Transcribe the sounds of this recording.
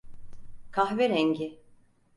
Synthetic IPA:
kʰaxveɾɛɲɟɪ

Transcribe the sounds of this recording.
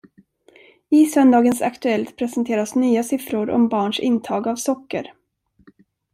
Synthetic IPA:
ɪsœnd̪ɑːɡənsa̰kt̪ɵɛlt̪pʰɾɛsənt̪ʰeːɾasnyːasɪfɾʊɾɔ̰mbɑːɳʂɪ̰nt̪ʰɑːɡavsɔkːə̰ɾ

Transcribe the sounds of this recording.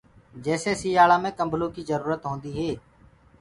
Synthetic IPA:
d͡ʒɛːseːsiːjaːlaːmẽːkəmbʱlõːkiːzəɾuːɾət̪ɦõːnd̪iːɦeː

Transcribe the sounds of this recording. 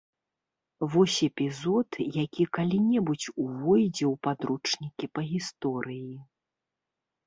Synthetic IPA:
vɔsʲɛpʲizɔt̪jakʲikalʲinʲɛbut͡sʲuvɔjd͡zʲɛwpad̪ɾut͡ʂnʲikʲipɐɣʲist̪ɔɾʔɨji

